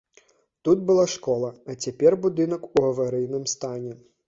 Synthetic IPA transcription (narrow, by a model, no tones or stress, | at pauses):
t̪ud̪̚bɨlˠaʂkɔlˠɐɐt͡sʲapʲɛrbud̪ɨnɐkuɣɐvaɾɨjnɨmst̪anʲɛ